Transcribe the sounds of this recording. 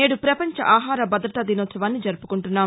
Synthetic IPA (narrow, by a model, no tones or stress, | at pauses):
eːɽupɾɐpɐɲt͡ʃɐ̰ʔaːɦaːɾɐbɐd̪ɾɐt̪ɐd̪inoːt̪sɐʋaːnːid͡ʒɐɾupu̥kuɳʈunːaː